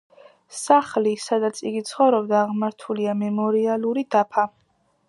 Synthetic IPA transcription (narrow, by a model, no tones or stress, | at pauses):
saχlisad̪at̪sʰiɡit̪sʰχɔvɾɔbd̪aːʁmaɾt̪ʰuliamɛmɔɾialˠuɾid̪̥apʰa